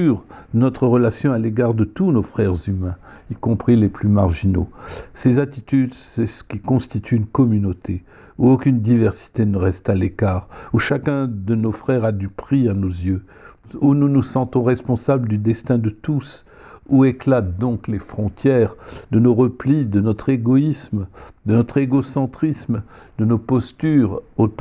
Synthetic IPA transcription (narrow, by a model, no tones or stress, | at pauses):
yʁənɔt̪χəʁəlasjɔ̃aleɡaʁd̪ət̪unofχɛʁzymɛ̃ikɔ̃pχileplymaʁʒino̰sezat̪it̪yd̪sɛsə̥kʲikɔ̃st̪it̪ʰyːnkɔmynot̪ʰe | uokʲynd̪ivɛʁsi̥t̪enəʁɛst̪alekaːʁuʃakɛ̃d̪ənofχɛʁad̪ypχianozjø | ununusɑ̃t̪ɔ̃ʁɛspɔ̃sabld̪yd̪ɛst̪ɛ̃d̪ət̪us | ueklat̪̚d̪ɔ̃klefχɔ̃t̪jɛʁd̪ənoʁəplid̪ənɔt̪χeɡɔismd̪ənɔt̪χeɡosɑ̃t̪χismd̪ənopɔst̪yʁot̪